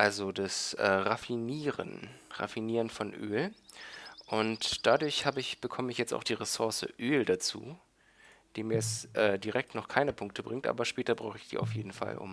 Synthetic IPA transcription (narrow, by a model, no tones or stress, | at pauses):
ʔalzodasʔɛ̰ːʁafiniːʁə̰nʁa̰finiːʁənfɔnʔø̰ːl | ʔʊntd̥adʊɐçhaːbəɪçb̥əkʰɔməɪçjɛt͡sta̰ʊxd̥iːʁesʊɐsə̰ʔøːldat͡sṵː | d̥iːmiːɐjɛt͡sʔɛːdiʁɛk̚tnɔχkʰaɪnəpʰʊŋk̚tʰəbʁɪŋktʔa̰ːbɐʃpɛːtɐbʁaʊxəɪçd̥ḭːʔa̰ʊfjeːdn̩fa̰lʔʊ̰m